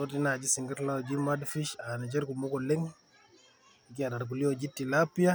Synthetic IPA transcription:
soti˦na˨d͡ʒi˦si˨ŋɡa˦tlawd͡ʒimadfi˦ʃa˨ni˨d͡ʒɛ˦ɾkumɔ˦kɔ˨lɛ˦ŋ | k̬i˦a˨da˨ɾɡ̬u˨li˦o˨d͡ʒi˦tːilapːi˦ja˦

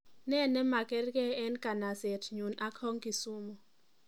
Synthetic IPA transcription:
nɛ˦˨nɛ˦ma˨kɛ˦rkɛ˦ɛ˦nka˨na˨sɛ˨tʰɲu˨na˦khɔ˦ŋki˨su˦mɔ˨

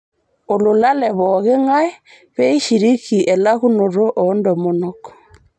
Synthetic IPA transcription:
o˨lo˨la˦lɛ˨βɔɣe˦ŋa˦ɛ˦ | βɛ˦i˦ʃi˨ɾi˦ki˨ʔɛ˨la˦ɣu˦no˨ɾo˦ʔɔ˦ndɔ˨mo˨nɔkɔ̥˨

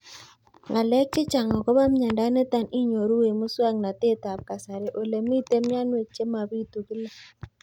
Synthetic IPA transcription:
ŋɡa˨lɛ˦k̚t͡ʃɪ˦t͡ʃa˨ŋɔ˨kɔ˦βa˦m˦ɲa˨nda˦ne˦ta˨ni˦ɲo˨ɾu˦we˨mʊ˦swa˦ŋna˨te˦ta˨p̚ka˨sa˨ɾe˨ʔo˨le˨mi˦te˦mja˦nwe˨t͡ʃe˦ma˨βi˦tu˨kɪ˦la˦

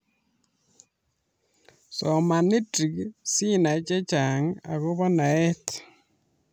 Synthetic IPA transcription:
sɔ˨ma˨ni˦tɾi˨ksi˦na˨t͡ʃe˦t͡ʃa˨ŋa̰˨ɣo˦βɔ˦na˨e˦te̥

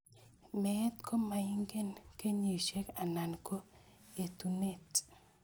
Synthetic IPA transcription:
mɛ˦tkʰo˦ma˨ji˦ŋɡe˦nke˦ɲi˨ʃe˦ka˨na˨nko˦ | e˨tu˨ne˦˨t

